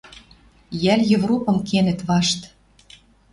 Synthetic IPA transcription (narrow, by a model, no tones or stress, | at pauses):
jæljɤvrupɤ̆mkʰenɘ̆t̪βɑʃt̪